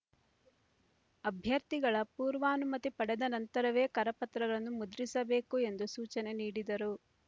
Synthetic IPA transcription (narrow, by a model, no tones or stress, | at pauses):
ɐbʱjɐɾt̪iɡɐɭɐpuːɾʋaːnumɐt̪ipɐɽɛd̪ɐnɐnt̪ɐɾɐʋe̞ːkɐɾɐpɐt̪ɾɐɡɐɭɐnːumud̪ɾisɐbe̞ːkue̞nd̪usuːt͡ʃɐne̞niːɽid̪ɐɾu